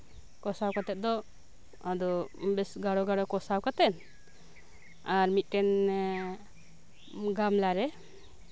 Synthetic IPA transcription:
kɔsawkat̪ɛt̪̚d̪ɔ | ad̪ɔbɛsɡaɽɔɡaɽɔkɔsawkat̪ɛn | aɾmit̪̚ˀʈɛn | ɡamlaɾɛ

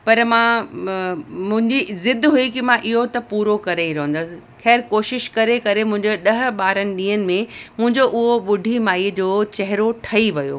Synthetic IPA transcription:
pɐɾmãː | mʊ̃ɦɪ̃ɲd͡ʑizɪd̪ʱɦuikimãʔɪɦot̪ɐpuːɾokɐɾeiɾɐɦə̃nd̪əsɪ̆xɛːɾkoːʃɪʃkɐɾekɐɾemʊ̃ɦɪ̃ɲd͡ʑeɗɐɦʊ̆ɓaːɾənɪ̆ɗĩːɦənɪ̆mẽmʊ̃ɦɪ̃ɲd͡ʑoʔʊɦoɓʊɖʱimaːid͡ʑoːt͡ɕɐɦɪɾoʈʰɐiʋɐjo̰ː

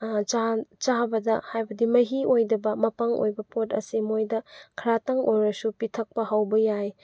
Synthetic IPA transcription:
t͡ʃat͡ʃabɐdɐhajbɐdimɐɦiʔojdɐbɐmɐpɐŋo̰jbɐpotɐ̰simojdɐkʰɐɾatɐŋojɾɐsupitʰɐk̚pɐhawbɐjaj

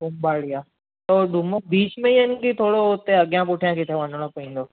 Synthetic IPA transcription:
bʊmbaːɽijaː | t̪oɖʱumobiːt͡ʃmẽənkit̪ʰoːɽoʊt̪ːeɐɡjãpʊʈʰijãkɪt̪ʰeʋə̃nɽ̃opɐĩːnd̪oː

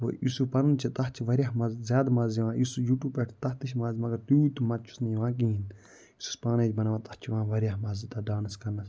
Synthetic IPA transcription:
o̰ʔḭsupɐɾunt͡ʃʰit̪ɐht͡ʃʰiʋɐɾʲjaɦmɐzzʲjaːd̪mɐziʋãːjisujuːʈuːpeʈʰt̪ɐɦt̪iʃmɐːzmɐɡɐɾt̪uit̪umɐt̪̚t͡ʃʰu̥sniʋãːk̬iin | isu̥spaːnɐːd͡ʒbɐnɐʋãːt̪ɐht͡ʃʰiʋãːʋɐɾʲjaɦmɐzit̪ɐɖaːnɐskɐɾnɐs

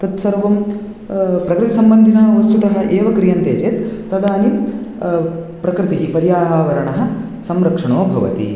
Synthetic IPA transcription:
t̪ɐt̪sɐɾʋɐm | pɾɐkɾɪt̪isɐmbɐnd̪ʱinɐʋɐst̪ut̪ɐɦɐ̆ʔeːʋɐkɾijɐnt̪eːt͡ʃeːt̪ːɐd̪aːni | pɾɐkɾɪt̪iɦipɐɾjaːɦaːʋɐɾɐɳɐɦɐ̆ | sɐmɾɐkʂɐɳoːbʱɐʋɐ̰t̪ḭ

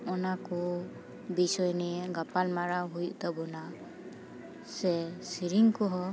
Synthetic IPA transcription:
ɔnakɔ | bisɔjnɛɡapalmaɾaɦujuʔt̪abɔna | sɛsiɾiŋkɔɦɔ

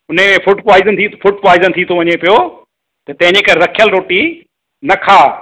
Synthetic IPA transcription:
ʊn̤əmẽfʊʈpaːɪzənt̪ʰifʊʈ̚paːɪzənt̪ʰit̪ʰoʋɐɲepijo | t̪ɐt̪ɐ̃ɦɪ̃ɲd͡ʑekɐɾeɾɐkʰijəlɾoːʈi | nɐkʰaː

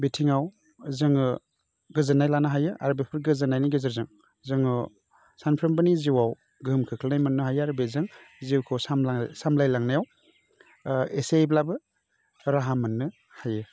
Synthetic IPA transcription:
betʰiŋaw | zɯŋɯ | ɡɯzɯnajlanɯɦajɯʔa̰ɾubepʰɯɾɡɯzɯnajniɡɯzɯɾzɯŋ | zɯŋɯ | sanpʰɾɯmbɯniziwaw | ɡɯmkʰɯkʰɯlnajmɯnːɯɦajɯaɾubezɯŋziwkʰɯsamasamlajlaŋnajaw | eseblabɯ | ɾaɦamɯnːɯ | hajɯ

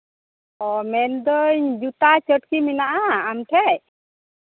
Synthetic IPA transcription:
ɔmɛnd̪ɔɲd͡ʒut̪at͡ʃəʈkiminaʔaːmʈʰɛj

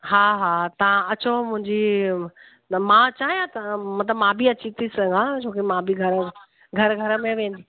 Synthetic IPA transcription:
ɦaːɦaːt̪ɐʋ̤ãɐt͡ɕomʊ̃ɦɪ̃ɲd͡ʑi | mãt͡ɕaːɦijãt̪ɐmɐt̪̬ləbmãbʱiɐt͡ɕit̪ʰisɐɡãd͡ʑʰoːkemãbʱiɡʱɐɾ | ɡʱɐɾɡʱɐɾə̆mẽʋẽːn̆d̪iː

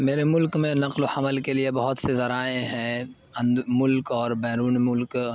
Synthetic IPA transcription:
meːɾemʊlkmẽnɐqloħɐməlkeliebɐɦʊt̪sezɐɾaːẽɦɛ̃ | ɐ̃nd̪mʊlkɔːɾbɛːɾuːnmʊlk

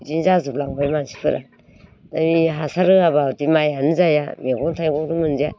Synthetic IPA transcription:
d͡ʒinzazuplaŋbajmansi̥pʰɯɾa̰ | damiɦasaɾɯaβatimajanɯzaja̰meɡɔntʰajɡɔɾumɯnzia

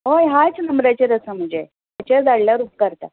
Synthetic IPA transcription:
ɦojɦat͡snəmɾat͡ɕeɾəsəm̤əd͡ze | at͡ɕad͡zaɽljaɾuːp̚kəɾt̪a̰

